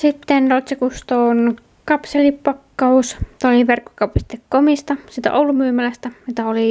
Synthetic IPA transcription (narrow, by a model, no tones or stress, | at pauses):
sit̪ːenrot̪sikust̪oːn | kɑpselippɑkːɑust̪oliʋerkːo̥kɑpist̪ekkomist̪ɑsiːt̪æ̰ʔoulumyːmælæst̪æmit̪æoli